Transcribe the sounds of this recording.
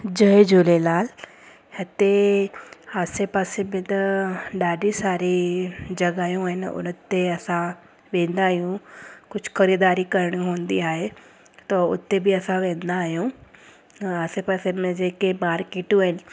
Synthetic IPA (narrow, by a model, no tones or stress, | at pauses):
d͡ʒɐɦed͡ʒoːlelaːl | ɐt̪e | aːsepaːsemẽt̪ɐɗaːɖisaːɾed͡ʒɐɡaːjũaɦɪnʊ̰nt̪ːeɐsã | ʋẽːnd̪aːɦijũkʊd͡ʒʱxɐɾiːd̪aːɾikɐɾəɽ̃ɦõːnd̪iaːɦe | t̪ɐʊ̰t̪ːebiɐsãʋẽːnd̪aːɦijũ | aːsepasemẽd͡ʒeːkemaːɾkeːʈũɦɪnɪ̆